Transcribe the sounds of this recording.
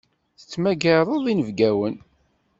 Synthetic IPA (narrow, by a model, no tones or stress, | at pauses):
θə̥t͡sːmæɡəðˤəðˤinəvɡæwən